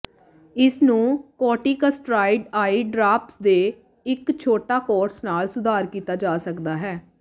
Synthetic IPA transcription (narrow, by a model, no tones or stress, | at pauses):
ɪsnũːkɔːʈiːkəsʈɾaːɪɖaːiːɖɾaːpsd̪eː | ɪkt͡ʃʰoːʈaːkɔːɾsnaːlsʊd̪ʱaːɾkiːt̪aːd͡ʒaːsəkd̪aːɦɛː